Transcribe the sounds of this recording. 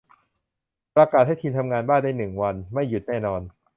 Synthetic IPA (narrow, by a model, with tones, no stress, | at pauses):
pɾa˧kaː˨˩t̪̚ha˥˩jt̪ʰiː˧nt̪ʰa˧mŋaː˧nbaː˥˩ndaː˥˩jnɯ˨˩ŋwa˧nma˥˩jːu˨˩t̪̚nɛː˥˩nɔː˧n